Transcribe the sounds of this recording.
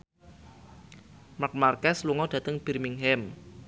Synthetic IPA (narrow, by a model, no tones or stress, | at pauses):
mak̚markɛsluŋɔɖ̥ä̤t̪əŋb̥i̤rmiŋɦɛm